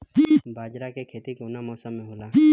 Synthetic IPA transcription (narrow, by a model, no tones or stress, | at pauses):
d͡ʒibaːd͡ʒɾakekʰeːt̪ikonamɔːsamːẽɦoːlai